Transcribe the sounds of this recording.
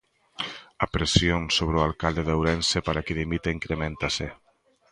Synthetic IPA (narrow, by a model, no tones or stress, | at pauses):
apɾesjonsoβ̞ɾualkald̪eðewɾensepaɾakeðimit̪eiŋkɾemẽnt̪ase